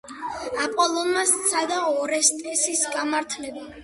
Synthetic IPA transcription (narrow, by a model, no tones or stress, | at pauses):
apʼɔlˠɔnmasːad̪aɔɾɛst̪ʼɛsisɡamaɾt̪ʰlɛba